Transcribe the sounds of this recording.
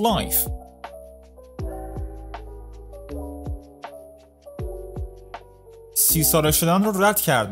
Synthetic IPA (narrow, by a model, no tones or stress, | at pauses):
lɑjf | siːsɒːɾeʃod̪ænɾɔɾæd̪̥cʰæɾd̪